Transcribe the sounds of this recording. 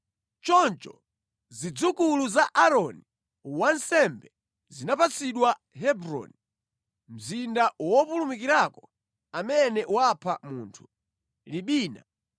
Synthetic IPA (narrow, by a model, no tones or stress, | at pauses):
t͡ʃɔnt͡ʃɔ | zid͡zukuluzaʔaɾɔni | wansɛmbɛ | zinapat͡siɗwa | ɦɛbɾɔ̰ni | m̩zindawɔpulumikiɾakɔ | amɛnɛwapʰamuːntʰu̥ | liɓiːna